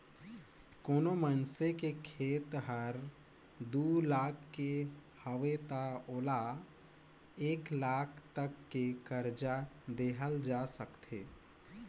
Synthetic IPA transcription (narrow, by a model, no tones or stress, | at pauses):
koːnomənsekekʰeːt̪ɦəɾ | d̪uːlaːkʰːe | həʋet̪aoːla | eːklaːkʰt̪əkːekəɾd͡ʒad̪eːɦəld͡ʒaːsəkt̪ʰeː